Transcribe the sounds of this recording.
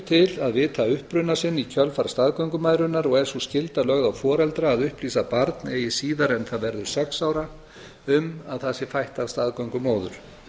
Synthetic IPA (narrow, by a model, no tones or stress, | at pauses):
t̪ʰɪlaðvɪðt̪ʰaːʏhpɾʏnːasɪnːicʰœlfaɾ̥st̪aðkawŋkʏmajðɾʏnːaɾɔɣɛɾ̥suscɪlt̪alœɣðawfɔːɾɛlt̪ɾaːðʏhpliːsapaɾt̪neːjɪsiːðaɾɛnθaðvɛɾðʏɾ̥sɛksaːwɾa | ʏmaðθasɪfajht̪avst̪aðkawŋkʏmoːwðʏ̰ɾ̥